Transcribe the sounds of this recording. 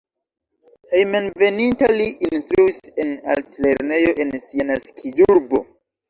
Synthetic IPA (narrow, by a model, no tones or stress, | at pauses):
hejmenve̞nintaliʔinstɾuise̞na̰ltle̞ɾne̞jo̞ʔe̞nsianaskʰiduɾbo̞̰